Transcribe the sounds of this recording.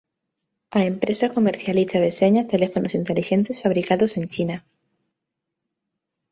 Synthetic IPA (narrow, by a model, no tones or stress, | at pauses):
aempɾesakomeɾθjaliθaðeseɲat̪elefonosint̪eliʃent̪esfaβɾikaðosẽnt͡ʃina